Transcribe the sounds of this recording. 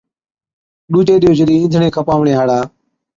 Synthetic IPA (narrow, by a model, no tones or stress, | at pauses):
ɗũːt͡ʃeːɗɪjoːd͡ʒəɗiːĩːnd̪ʱɳẽːkʰəpaːʋɳeːɦaːɽaː